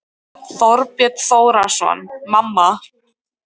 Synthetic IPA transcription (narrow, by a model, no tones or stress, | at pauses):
θɔɾpjɛt̪θoːwɾasɔ̰nmamːa